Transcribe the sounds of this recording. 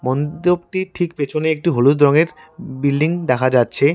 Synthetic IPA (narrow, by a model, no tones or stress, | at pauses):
mɔnt̪obʈiʈʰikpet͡ɕʰoneek̚ʈiɦolud̪ɾɔŋeɾ | bilɖiŋd̪ɛkʰad͡ʑatːɕʰe